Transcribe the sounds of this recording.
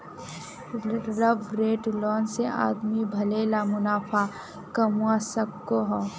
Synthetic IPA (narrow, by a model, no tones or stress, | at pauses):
ɾəbɾeːʈlɔːnseʔa̰ːd̪mibʱɐleːlamʊnaːfʰa | kɐmuasɐkːoɦɔ